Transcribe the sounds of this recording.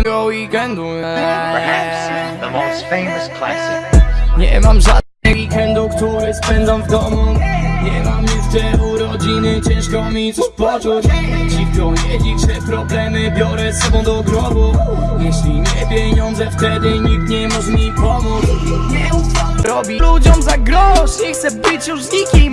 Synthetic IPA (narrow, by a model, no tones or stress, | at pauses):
ɡoiɡɐ̃nd̪ũpʰəhæpsðəmoʊstfẽɪməskʰla̰s | ɲɛmãmza | ɛikɛ̃nd̪okt̪ɔɾezpɛ̃nd̪ɐ̃w̃vd̪ɔmuɲɛmɐ̃mift̪ɛɾuɾɔd͡ʒinet͡ʃɛ̃ʃkõmizupɔt̪uʃd͡ʑifkɔɲɛd͡ʑit͡ʂɛpɾɔblɛmɘbʲjɔɾɛsːɔbɔ̃w̃d̪ɔɡɾɔbujɛɕlʲiɲɛpʲjeɲɔ̃nd̪zɛft̪ɛd̪ɪɲik̚t̪ɲɛmɔʂmʲipɔmus | ɾɔbʲilud͡ʑɔmzaɡɾɔzixt̪sɛbɘt͡ɕjuʐzikʲijm